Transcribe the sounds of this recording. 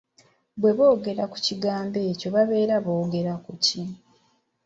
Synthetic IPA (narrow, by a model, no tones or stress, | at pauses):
bwe̞βo̞ːɡe̞ɾaku̥ciɡaːmbe̞ːco̞βaβe̞ːɾaβoːɡe̞ɾakuci